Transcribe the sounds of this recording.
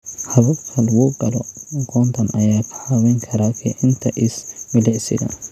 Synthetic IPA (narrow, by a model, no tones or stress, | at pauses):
hɐβɐkʰɐlwɔːkʼɐlɔ̰ɡʰɔːnt̪ɐnɐjaːkʰɐawɛŋkʰɐɾakʰɛʔɪnt̪ʰɐʔɪsmɪlɪʕsɪ̰d̪ɐ̰